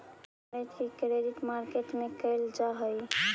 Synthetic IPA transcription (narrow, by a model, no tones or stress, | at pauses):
ɾət̪kikɾediʈmaɾkeʈmekəɪld͡ʒaɦəj